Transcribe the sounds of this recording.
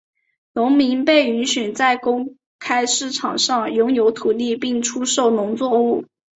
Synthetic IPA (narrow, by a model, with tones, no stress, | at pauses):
nʊ˧˥ŋmi˧˥ŋpe˥˩ɪy˧˥nɕy˨˩nt͡sa˥˩ɪkʊ˥ŋ | kʰa˥ɪʂɻ̩˥˩ʈ͡ʂʰɑ˨˩ŋʂɑ˥˩ŋjʊ˧˥ŋjo˧˥ʊt̪ʰu˨˩li˥˧pi˥˩ŋʈ͡ʂʰu˥ʂo˥˩ʊnʊ˧˥ŋt͡swɔ˥˧u˥˩